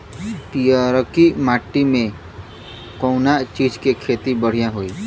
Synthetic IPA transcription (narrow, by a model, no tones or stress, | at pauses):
pijaɾkimaːʈːimẽ | kɔ̃ːnat͡ʃiːd͡ʒkekʰeːt̪ibəɽ̤ijãɦoːiː